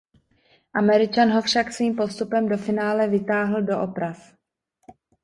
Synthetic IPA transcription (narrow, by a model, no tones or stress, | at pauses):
ʔamɛɾɪt͡ʃanɦo̞fʃaksviːmpo̞st̪upɛmdo̞fɪnaːlɛvɪt̪aːɦl̩do̞ʔopɾaf